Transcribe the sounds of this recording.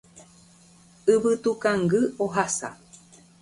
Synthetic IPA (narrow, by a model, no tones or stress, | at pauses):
ɨβɨt̪ukãŋɡɨoɦasa̰